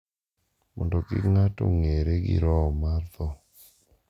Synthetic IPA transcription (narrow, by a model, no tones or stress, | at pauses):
mɔ̰ndokḭŋato̰ŋeɾeɡḭɾɔɔmart̪ɔ